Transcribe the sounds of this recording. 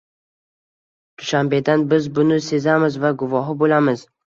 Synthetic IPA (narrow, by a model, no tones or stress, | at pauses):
d̪̥ʊʃambe̞d̪anbɪzbʊnɪse̞zamɪzvaɡʊvɒɦɪbolamɪz̥